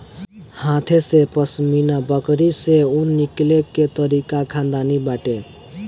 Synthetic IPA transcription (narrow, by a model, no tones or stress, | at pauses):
hãt̪ʰesepəsminabəkɾiseunːikleket̪əɾikakʰãnd̪anibaʈe